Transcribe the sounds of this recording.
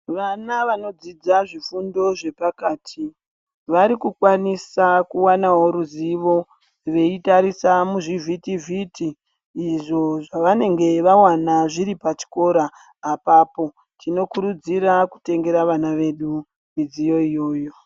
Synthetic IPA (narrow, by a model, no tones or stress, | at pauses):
ʋanaʋano̞d͡zid͡zaʐifundo̞ʐe̞pakaːtʰi | ʋaɾikukwanisakuwanaɦo̞ɾuziʋo̞ | ʋe̞itaɾisamuʐivʱitivʱitiː | ʐo̞ʐaʋane̞ŋɡe̞ʋawanaʐiɾipat͡ʃi̥ko̞ɾaː | papo̞ | tʰino̞kuɾud͡ziɾaku̥te̞ŋɡe̞ɾaʋanaʋe̞ɗu | mid͡zijo̞ijo̞ːjo̞